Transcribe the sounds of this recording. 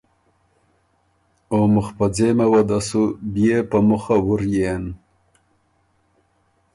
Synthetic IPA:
omʊxpad͡zemawad̪asubjepamuxawuɾjen

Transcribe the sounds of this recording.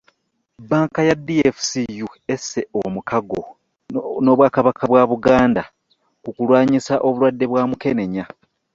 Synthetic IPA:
baːŋkajadːiefu̥sijue̞sːe̞omukaɡo | no̞ːβwaːkaβakʰaβwaːβuɡaːnda | kukulwaːɲisaʔo̞βulwadːe̞βwaːmuke̞ne̞ɲa

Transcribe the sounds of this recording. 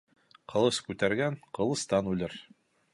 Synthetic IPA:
qɤ̆lˠɤskʉt̪æɾɡæŋqɤ̆lˠɤ̆st̪ɑnʉlɘɾ

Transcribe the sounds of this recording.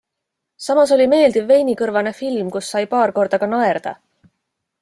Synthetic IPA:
sɑmɑso̞lʲime̞ːld̪̥ivːe̞jnikɤɾvɑne̞filmkusːɑjpɑːrko̞rd̪̥ɑɡ̥ɑnɑerd̪̥ɑ̰

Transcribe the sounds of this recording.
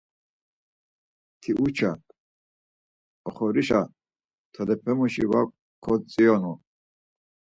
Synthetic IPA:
t̪ʰiʔut͡ʃʰa | ɔχɔɾiʃa | t̪ʰɔd̪ɛpʰɛmuʃiva̰kʷʼ | kʰɔt͡sʼiɔnu

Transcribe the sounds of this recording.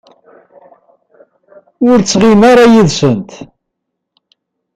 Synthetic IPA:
ʊɾt͡sːʁimaɾajiðsənt̪

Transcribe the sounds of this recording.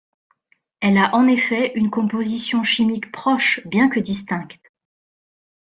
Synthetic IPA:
ɛlaʔɑ̃nefɛʔynkɔ̃pozisjɔ̃ʃimikpχɔʃbjɛ̃kəd̪ist̪ɛ̃kt̪

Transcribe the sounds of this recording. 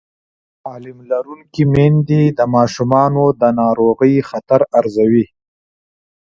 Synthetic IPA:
ɑːlɪmlaɾuŋkimend̪id̪əmɑːʃumɑːnod̪ənɑːɾoɣəjxat̪aɾaɾzawi

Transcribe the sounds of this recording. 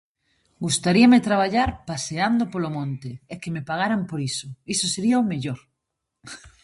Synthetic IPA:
ɡust̪aɾiamet̪ɾaβ̞aʎaɾpaseand̪opolomõnt̪ɪːkemepaɣ̞aɾampoɾisʊisʊseɾiaomeʎoɾ

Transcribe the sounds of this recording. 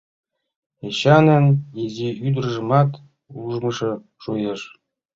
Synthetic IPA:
eɕɑnʲɘ̆nʲjeziyd̪̆rɤ̆ʐɤ̆mɑt̪ | uʐmɤ̆ʂɤ̆ | ʂujɤ̆ʂ

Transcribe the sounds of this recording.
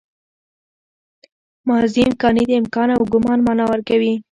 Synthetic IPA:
mɑziɪmkɑnid̪əɪmkɑnawɡʊmɑnmɑnɑwəɾkawi

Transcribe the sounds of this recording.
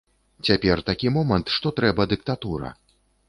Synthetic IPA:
t͡sʲapʲɛrt̪akʲimɔmɐnt̪ʂt̪ɔt̪ɾɛbɐd̪ɨk̚t̪at̪uɾɐ̰

